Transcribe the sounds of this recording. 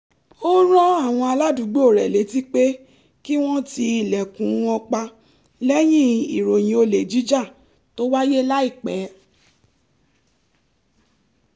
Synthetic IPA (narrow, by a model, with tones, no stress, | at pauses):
o˦ɾ̃ɔ̃˦a˦˨w̃ɔ̃˧a˧la˦du˨˦ɡ͡bo˦o˦˨ɾɛ˨le˨˦ti˦k͡pe˦ | ki˦w̃ɔ̃˦ti˧i˨lɛ˨kũ˨˦ɔ̃˧k͡pa˧ | lɛ˦j̃ĩ˦i˨ɾo˨j̃ĩ˨˦o˧le˨d͡ʒi˨˦d͡ʒa˦˨ | to˦wa˦je˦la˦i˦˨k͡pɛ˨˦